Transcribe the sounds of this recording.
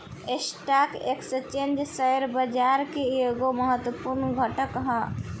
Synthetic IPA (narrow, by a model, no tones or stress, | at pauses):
esʈaːkeksət͡ʃẽnd͡ʒsəjəɾbəd͡ʒaːɾkeeɡoməɦət̪wəpuɾnɡʱəʈəkɦã